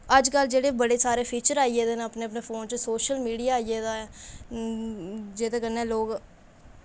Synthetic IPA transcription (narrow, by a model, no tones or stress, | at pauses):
əd͡ʒkəld͡ʒeːɽeːbəɽeːsaːɾeːpʰiːt͡ʃəɾaːieːd̪eːneəpneːəpneːpʰoːnt͡ʃəsoːʃəlmiːɽijaːieːd̪aːɛː | d͡ʒeːt̪eːkənːeːloːɡ